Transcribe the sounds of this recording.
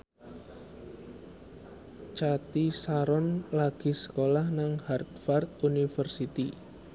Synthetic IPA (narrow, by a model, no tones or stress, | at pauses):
t͡ʃat̪isaɾɔnlaɡ̥i̤sə̥kolahnaŋhard̪fart̪̚unifərsit̪i